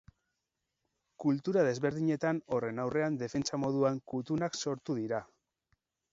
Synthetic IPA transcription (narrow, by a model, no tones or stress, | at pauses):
kult̪uɾaðe̞zβe̞ɾðiɲe̞t̪ano̞re̞nawre̞and̪e̞fe̞nt͡samo̞ðuaŋkut̪unakso̞ɾt̪uðiɾa